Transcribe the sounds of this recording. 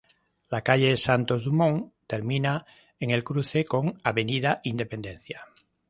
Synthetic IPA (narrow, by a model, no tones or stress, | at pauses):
lakaʎesant̪ozðumõŋt̪eɾmĩna | eŋe̞lkɾuθekoŋaβenið̞aʔind̪e̞pend̪ẽn̟θja